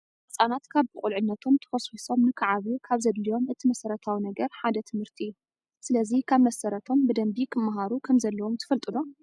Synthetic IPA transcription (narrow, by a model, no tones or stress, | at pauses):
ɨsʼanat̪kʰaβbɨkʼulʕɨnːɐt̪ʰo̞mt̪ʰɐ̥xoswiso̞mnɨkʰaʕaβjukʰaβzɐd̪lijo̞mɨt̪ʰimɐsɐɾɐt̪ʰawinɐɡɐɾħad̪ɐt̪ʰɨmɨɾt̪ʰiu | sɨlɐzikʰaβmɐsɐɾɐt̪ʰo̞mbɨd̪ɐmbikʰɨmːaɦaɾukʰɐmzɐlːɐwo̞mt̪ʰɨfɐlt̪ʼɨno